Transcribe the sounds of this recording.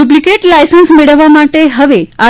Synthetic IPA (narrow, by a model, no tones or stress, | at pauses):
ublikeʈlajsənsmeɭəʋːamaʈeɦəʋea